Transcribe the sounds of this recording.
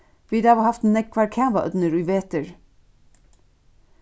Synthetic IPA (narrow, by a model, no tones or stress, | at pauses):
ʋiːd̪ɑːʋohɑft̪nɛk̚kʰʋɑːɹkʰæːʋɑʔœ̰d̪nəɾʉːʋeːt̪əɹ